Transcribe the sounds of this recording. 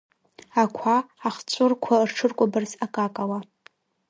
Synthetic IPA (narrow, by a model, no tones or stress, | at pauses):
akʷʰaːχt͡ɕʷʼʊrkʷʰarʈ͡ʂʰɨrkʷʼabɨrzakʼakʼawa